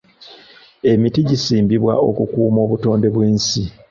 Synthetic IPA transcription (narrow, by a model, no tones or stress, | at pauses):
e̞mitiɟisiːmbiβwa̰o̞̰kukuːmo̞ːβuto̞ːnde̞βweːnsi